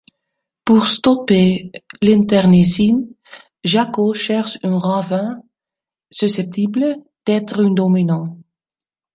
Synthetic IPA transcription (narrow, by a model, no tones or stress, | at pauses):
puʁst̪ɔpelɛ̃nt̪ɛʁnesin | ʒakoʃɛʁʃœ̃ʁɑ̃vɛ̃ | sysɛp̚t̪iblə | d̪̥ɛt̪ʁynd̪ominɑ̃